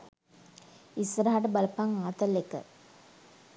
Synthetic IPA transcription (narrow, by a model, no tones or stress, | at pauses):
isɐɾaːaʈəbɐlɐpːaŋaːt̪ɐlːekːə̰